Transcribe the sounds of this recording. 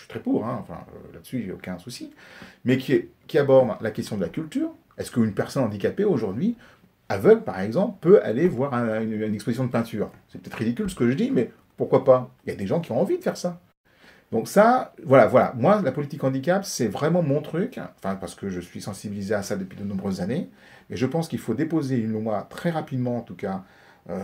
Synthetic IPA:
si̥t̪χɛpuːʁɛ̃ɑ̰̃fɛ̰̃lad̪əsyʒeo̰kʲɛ̃susimɛkʲiɛkʲiabɔʁd̪lakʲɛst̪jɔ̃d̪əlakʲylt̪yːʁ | ɛskəynpɛʁsɔnɑ̃d̪ikapeoʒuʁd̪ɥi | avœɡlpaʁɛɡzɑ̃plpøa̰levwaʁɛ̃ynynɛkspozisjɔ̃d̪əpɛ̃t̪ʰyːʁsɛpøt̪ɛt̪χʁid̪ikʲylsə̥kəʒəd̪imɛ | puʁkwapailjad̪eʒɑ̃kʲiɔ̃ɑ̃vid̪əfɛʁsa | d̪̥ɔ̃ksavwalavwala̰mwalapɔlit̪ikɑ̃d̪ik̬apsɛvʁɛmɑ̃mɔ̃t̪χykɑ̃fɛ̃paʁsə̥kəʒəsɥisɑ̃sibilizeasad̪əpɥid̪ənɔ̃bʁøzːane | mɛʒəpɑ̃skilfod̪epozeynumwat̪χɛʁapid̪mɑ̃ːt̪uka | ø

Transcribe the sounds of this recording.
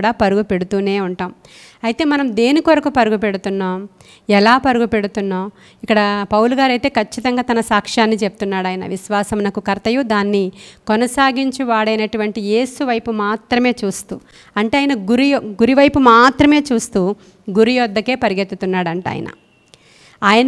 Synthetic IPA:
ɽaːpɐɾuɡupe̞ɽut̪uːne̞ːuɳʈaːm | ɐjit̪e̞ːmɐnɐmd̪e̞ːnikʋɐɾɐkupɐɾuɡupe̞ɽut̪unːaːm | ɛlaːpɐɾuɡupe̞ɽut̪unːaːm | ikːɐɽɐpɐwluɡaːɾɐjt̪e̞ːkʰɐt͡ʃːit̪ɐŋɡaːt̪ɐnɐsaːkʂaːnːit͡ʃe̞p̚ut̪unːaːɽaːjnɐ̰ʋiʃʋaːsɐmnɐkukɐɾt̪ɐjud̪aːnːikɔnɐsaːɡiɲt͡ʃiʋaːɽɐjnɐʈuʋɐɳʈije̞ːsuʋɐjpumaːt̪ɾɐme̞ːt͡ʃuːst̪ṵː | ɐɳʈeaːjɐnɐɡuɾiɡuɾiʋɐjpumaːt̪ɾɐme̞ːt͡ʃuːst̪uː | ɡuɾijɔːd̪ːɐke̞ːpɐɾiɡet̪ːut̪unːaːɽɐɳʈa̰ːjɐ̰nɐ̰ | aːjɐn

